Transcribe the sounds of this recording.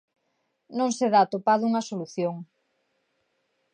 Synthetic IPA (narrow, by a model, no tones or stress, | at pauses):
nõŋseðat̪opaðuŋɐsoluθjoŋ